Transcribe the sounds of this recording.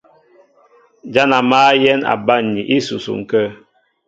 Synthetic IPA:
d͡ʒa˦na˨maː˦jɛ˦na̰˨ba˦˨n˨ɲi˨ʔi˦sṵ˨sṵ˨ŋ̩˨kə˦

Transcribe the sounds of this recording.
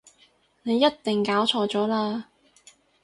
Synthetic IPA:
ne˨˧jːɐ˥t̚t̪ɪ˨ŋkaː˨˥wt͡ʃʰɔː˧t͡ʃɔː˨˥laː˧

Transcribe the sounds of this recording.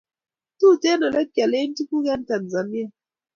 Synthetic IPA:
tu˦˨tɛ˦nɔ˨lʔɛ˦kja˨le˦n˦tu˦ku˦kɛ˦n˦ta˨nza˨ni˦a˨

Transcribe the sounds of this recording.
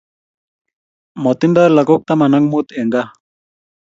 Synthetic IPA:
mɔ˨t̪i˦nda˦la˨ko˦k̚t̪a˦ma˨na˦ŋmut̪ɛ˨ŋɡa˦

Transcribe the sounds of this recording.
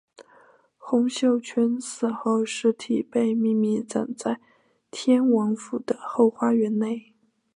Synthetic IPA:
xʊ˧˥ŋɕjo˥˩ʊt͡ɕʰɛ˥nsɹ̩˥˩xo˥˩ʊʂɻ̩˧˥t̪ʰi˨˩pe˥˧ɪmi˥˧mi˥˩t͡sə̰˨˩ŋt͡sa˥˧ɪ | t̪ʰjɛ˥nwɑ˧˥ŋfu˨˩d̪̥ə˦xo˥˩ʊxwa˥ɥɛ˧˥nne˥˩ɪ

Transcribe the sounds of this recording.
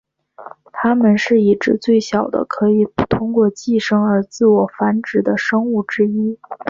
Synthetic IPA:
t̪ʰa˥mə˨nʂɻ̩˥˩i˥˩ʈ͡ʂɻ̩˥˧t͡swe˥˩ɪɕjɑ˨˩ʊd̪ə̰˦kʰɤ˧˥i˨˩pu˥˩t̪ʰʊ˥ŋkwɔ˥˧t͡ɕi˥˩˧ʂɤ˥ŋə˞˧˥t͡sɹ̩˥˩wɔ˨˩fa˧˥nʈ͡ʂɻ̩˨˩d̪ə˦ʂɤ˥ŋu˥˩ʈ͡ʂɻ̩˥i˥

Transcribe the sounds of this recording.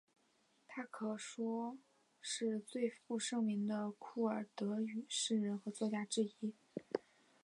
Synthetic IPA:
t̪ʰa˥kʰɤ˨˧˩ʂwɔ˥ | ʂɻ̩˥˧t͡swe˥˧ɪfu˥˧ʂɤ˥˧ŋmi˧˥ŋd̪ə˧kʰu˥˩ə˞˨˩t̪ɤ˧˥y˨˩ʂɻ̩˥˩ɻə˧˥nxɤ˧˥t͡swɔ˥˧t͡ɕja˥˧ʈ͡ʂɻ̩˥˩i˥

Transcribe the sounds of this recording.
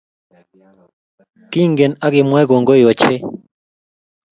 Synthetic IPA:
ki˦ŋɡe˨na˦ɡɪ˨mwɛ˦ɡo˨ŋɡo˦jo˨t͡ʃe˦

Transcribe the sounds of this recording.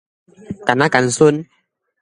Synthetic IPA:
ka˨na˦ka˨n̩˨so˦n

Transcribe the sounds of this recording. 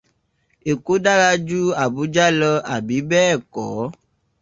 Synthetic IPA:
e˨ko˦ɖa˦ɣa˦d͡ʒu˦a˨bu˨˦d͡ʒa˦lɔ˦a˨bi˨˦bɛ˦˨kɔ˨˦

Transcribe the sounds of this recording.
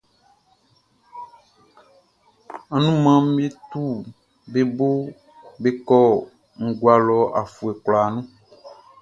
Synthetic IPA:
a˨nũ˦mã˦m̩˦e˦t̪u˦ | be˦bo˦ | be˦kɔ˦ | ŋ̩˨ɡwa˨lɔ˨a̰˨fu˨e˨kla˨nũ˦

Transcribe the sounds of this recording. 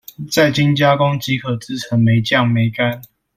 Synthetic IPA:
t͡sa˥˨ɪt͡ɕi˦˥ŋt͡ɕja˦kɔ˦ŋt͡ɕi˨˥kʰɤ˨˩t͡sɹ̩˥˨t͡sʰə˨˥ŋme˨˥ɪt͡ɕjɑ˥˨˩ŋme˨˧˦ɪka˦n

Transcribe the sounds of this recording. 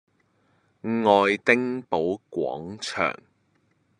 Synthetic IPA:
ŋɔː˨jt̪ɪ˥ŋpo˨˥wkʷɔ̰ː˨˥ŋt͡ʃʰœ̰ː˨˩ŋ

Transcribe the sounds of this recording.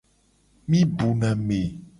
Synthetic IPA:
mĩ˦bu˨nã˨me˨

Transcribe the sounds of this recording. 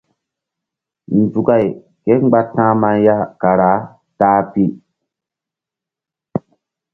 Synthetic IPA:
n̩˨tu˨ka˦˨j | ke˦ŋ͡mɡ͡ba˦tːã˦ma˦nja˦ka˨ɾa˨˦ | taː˦pi˦

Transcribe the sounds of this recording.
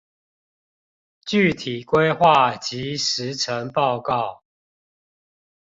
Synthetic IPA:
t͡ɕy˥˨t̪ʰi˨˩kwe˦ɪxwa˥˨t͡ɕi˨˦ʂɻ̩˨˦ʈ͡ʂʰə˨˦ŋpɑ˥˧ʊkɑ˥˨ʊ

